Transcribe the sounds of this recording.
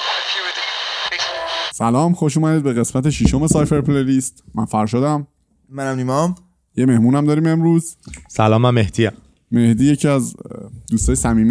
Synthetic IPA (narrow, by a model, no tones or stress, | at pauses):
sælɒːmxo̞ʃuːmæd̪iːd̪̚be̞ɣe̞smæt̪ʰe̞ʃiʃo̞me̞sɒjfeɾpʰleliːst̪mænfæɾʁʃod̪æm | mænæmnimɒm | je̞me̞hmuːnæmd̪ɒːɾiːme̞mɾuːz̥sælɒːmæmːehd̪iːæ | me̞hd̪iːje̞cʰiæzd̪uːst̪ɒːjsæmiːm